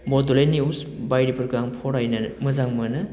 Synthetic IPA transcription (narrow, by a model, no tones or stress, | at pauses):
bɔdolejniusbajɾipʰɯɾɡaŋpʰɔɾajnɐmɯzaŋmɯnɯ